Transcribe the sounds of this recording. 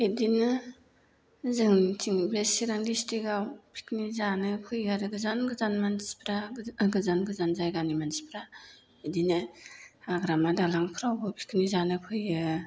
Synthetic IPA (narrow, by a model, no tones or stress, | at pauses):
edinɯ | zɯŋtʰiŋbɾesiɾaŋdistiɡawpʰi̥kʰnizanɯkʰɯjaɾɯɡɯzanɡɯzanmansi̥pʰɾaɡɯzanɡɯzanzajɡanimansi̥pʰɾa | edinɯ | aɡɾamadalaŋkʰɯɾawbɯpʰi̥kʰnizanɯkʰɯjɯ